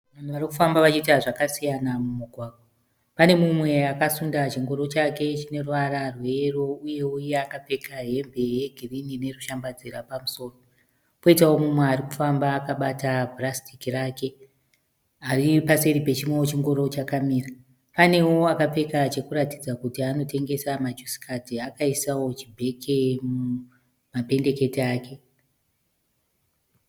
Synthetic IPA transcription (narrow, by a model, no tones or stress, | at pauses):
ʋan̤uʋaɾikufambaʋat͡ʃitaʐakasijanamumuɡʱwaːɡ̚ʱo | pane̞mumwe̞akasundat͡ʃiŋɡo̞ɾo̞t͡ʃake̞t͡ʃine̞ruʋaɾarwe̞ro̞uje̞ujeakape̞kaɦe̞mbe̞je̞ɡʱirinine̞ruʃambad͡ziɾapamuso̞ːro | po̞itawo̞mumweariku̥fambaːkaɓatabʱrastikiraːke̞ | aripase̞ɾipet͡ʃimwe̞wot͡ʃiŋɡo̞ɾot͡ʃakamiːra | pane̞wo̞akap͡fe̞kat͡ʃe̞kuɾatid͡zakutiano̞te̞ŋɡe̞samad͡ʒusi̥kʰatiakaisawo̞t͡ʃibʱe̞kʰemu | mape̞nde̞ke̞tiaːke̞